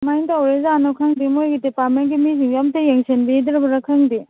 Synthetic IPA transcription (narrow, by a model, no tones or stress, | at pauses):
majntawɾezanokʰɐŋdimojɡidipat̚ment̚ɡimiziŋɡɐmtɐjeŋsenbidɾɐbɐɾɐkʰɐŋdi